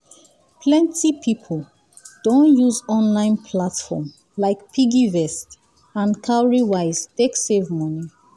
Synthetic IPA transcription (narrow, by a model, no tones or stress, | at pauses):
pʰlɛ̃ntʰipʰipʰol | d̥õnjuzɔ̃nlãɪ̃npʰlatfɔm | laɪkpʰiɡivɛst | ãnkʰaɹiwaɪz̥teksevmɔni